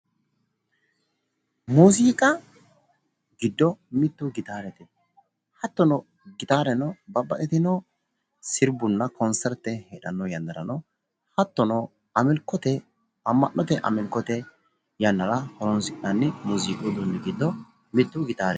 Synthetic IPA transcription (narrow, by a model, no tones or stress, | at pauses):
musiːkʼɐ | ɡɪd̪ːɔmɪt̪ːuɡɪt̪aːɾɛt̪ɛ | hɐt̪ːɔnɔ | ɡɪt̪aːɾɛnɔbɐbːɐʔɛt̪ɪnɔ | sɪɾbʊnːɐkɔnsɛɾt̪ːɛhɛᶑɐnːɔjɐnd̪ɐɾɐ̰nɔ | hɐt̪ːɔnɔ | ɐmɪlkːɔt̪ɛ | ɐmːɐ̰nːɔt̪ɛʔɐ̰mɪlkːɔt̪ɛ | jɐnːɐɾɐhɔɾɔnsɪkʼnɐnːɪmuziːkʼɔd̪ɔnːɪɡɪd̪ːɔ | mɪt̪ːʊɡɪt̪aːɾɛ